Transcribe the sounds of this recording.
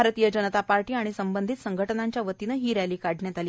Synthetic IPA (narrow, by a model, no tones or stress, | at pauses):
aɾt̪ijəd͡ʑənət̪apaɾʈiːaɽ̃isəmbənd̪ʱit̪səŋɡʱəʈənaɲt͡ɕjaʋət̪inəːɦiːɾjajliːkaɽɳjat̪aliː